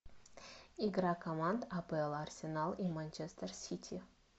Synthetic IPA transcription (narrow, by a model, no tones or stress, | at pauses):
iɡɾakɐmand̪apəelˠarsʲɪnalˠimanʲt͡ʃest̪ərsʲit̪ʲʰi